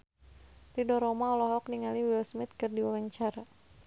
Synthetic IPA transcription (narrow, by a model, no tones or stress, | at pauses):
ridɔɾɔmaɔlɔɦɔk̚niŋaliwɪlsmɪt̪̚kɨrdiwalaɲt͡ʃaɾa